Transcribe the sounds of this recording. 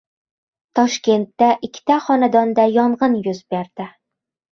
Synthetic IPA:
t̪ʰɒʃkʲe̞nt̪ːaʔɪkʲʰːɪ̥t̪ʰaχɒnad̪ɒnd̪ajɒɴʁɨnjʊzbeɾd̪̥ɪ

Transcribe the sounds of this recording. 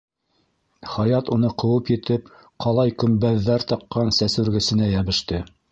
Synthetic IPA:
χɑjɑt̪unɤqɤ̆wɤpjɘ̆t̪ɘp̚ | qɑlˠɑjkɵ̆mbæðːæɾt̪ɑqːɑnsæsʉɾɡɘ̆sɘ̆næjæβɘ̆ʃt̪ɘ

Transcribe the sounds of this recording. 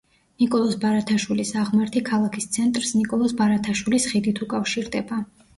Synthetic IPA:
nikʼɔlˠɔsbaɾat̪ʰaʃwilisaʁmɛɾt̪ʰikʰalˠakʰist̪sʰɛnt̪ʼɾsnikʼɔlˠɔsbaɾat̪ʰaʃwilisχid̪it̪ʰukʼafʃiɾd̪ɛba

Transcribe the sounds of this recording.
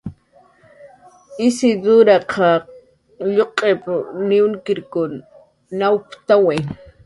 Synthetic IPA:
ɪsɪd̪ʊɾaqʰɑ | ʎoqʼepʊnɪʊnkɪɾkʊnː | awpt̪awe

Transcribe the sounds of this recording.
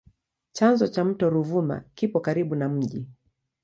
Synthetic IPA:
t͡ʃanzɔt͡ʃam̩tɔɾuvuma̰kipɔkaɾiɓunam̩ʄi

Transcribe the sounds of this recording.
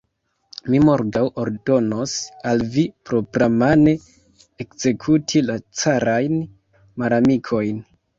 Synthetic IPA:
mimo̞ɾɡawoɾdo̞no̞salvipɾo̞pɾamane̞ | ekz̥e̞kʰutʰilat͡saɾajn | malamikʰo̞jn

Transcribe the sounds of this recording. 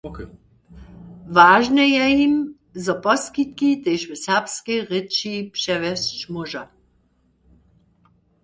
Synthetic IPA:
vaːʒnɛjɛjim | zɔpɔskit̪̚kit̪ɛjʃʋɛsɛʁpskɛjʁɪt͡ʃipʂɛʋɛst͡ʃmuʒa

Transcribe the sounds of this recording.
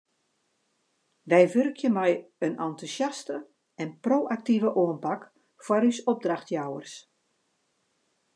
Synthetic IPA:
ʋɛjʋørkʰjəmɛjənantusjastə | ɛnproːʔak̚tivəʔuənpak | faɾysɔb̚draxtjawərs

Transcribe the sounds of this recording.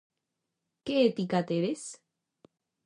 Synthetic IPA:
keːt̪ikat̪eɾes

